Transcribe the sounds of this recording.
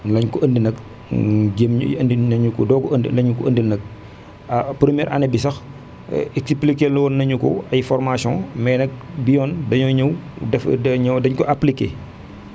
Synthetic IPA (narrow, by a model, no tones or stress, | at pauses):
lɐɲkɔɐndinɐk | ɟem̰ɐ̰ndinɐɲukɔ̰dɔːkɔəndḭlɐɲukɔɐndinɐk̚ | pɾəmijɛːɾʔa̰nɛbisɐx | ɛksiplikelnɐwɔnːɐɲukɔ̰ɐjfɔrmasjɔ̃mɛːnɐk̚bijɔːndɐɲɔɲɐwdɛfɐɲɐdɐɲkɔʔaplikḛː